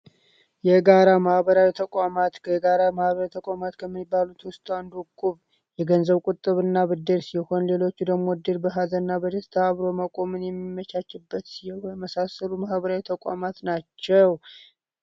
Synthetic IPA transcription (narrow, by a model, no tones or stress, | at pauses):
jɛɡaɾamahbəɾawit̪ʰəkʷʼamat̪kʰəɡaɾamahβəɾait̪ʰəkʷʼamat̪kʰəmːibːalut̪wʊst̪ʼand̪uukʼːuβ | jɛɡənzəβkʼut̪ʼːɨβɨnːaβɨd̪ːɨɾsiho̞nle̞lo̞t͡ʃːud̪əɡmod̪ɨɾbəɦazəɨnːabəd̪əst̪ʰəaβɾo̞məkʼo̞mɨnjɛmːimːət͡ʃat͡ʃːɪbːət̪sijɛwjɛməsasəlumahbəɾawit̪ʰəkʼa̰mat̪nat͡ʃːɛw